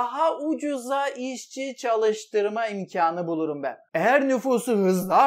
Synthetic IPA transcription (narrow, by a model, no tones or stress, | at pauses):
aɦaud͡ʒuzaʔiʃt͡ʃʰit͡ʃʰalˠɯʃt̪ɯɾmaimcʰaːnɯbulˠuɾumbæ̰nejæɾnyfuːsuɦɯzlˠa